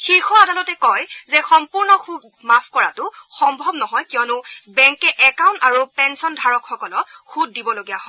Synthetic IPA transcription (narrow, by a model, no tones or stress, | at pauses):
xixɔadalɔtɛkɔjzɛxɔmpuɹnɔxubmapʰkɔɹa̰tʊxɔmbʱɔbnɔɦɔjkiɔnʊbɛŋkɛʔɛkawntaɹupɛnsɔndʱaɹɔkxɔkɔlɔxut̚dibɔloɡijaɦɔ